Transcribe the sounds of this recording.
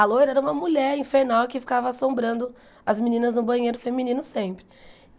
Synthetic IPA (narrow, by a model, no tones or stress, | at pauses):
alojɾɛɾɐũmɐmuʎɛɾĩfeɾnawkɪfi̥kavɐasõmbɾɐ̃nd̪ʊ | ɐzminĩnɐznʊbɐ̃j̃ejɾʊfemĩnĩnʊsẽpɾɪ